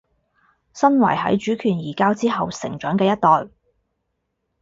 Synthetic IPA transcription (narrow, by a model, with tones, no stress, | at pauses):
sɐ˥nwɐ˨˩jɦɐ̰˨˥jt͡ʃyː˨˥kʰyː˨˩njiː˨˩kaː˥wt͡siː˥ɦɐ˨wsɪ˨˩ŋt͡ʃœː˨˥ŋkɛː˧jɐ˥t̚t̪ɔː˨j